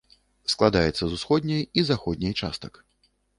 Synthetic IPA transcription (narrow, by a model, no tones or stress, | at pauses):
sklˠad̪ajɛt̪sːɐzusxɔd̪ʲnʲɐjizaxɔd̪ʲnʲɐjt͡ʂa̰st̪ɐ̥k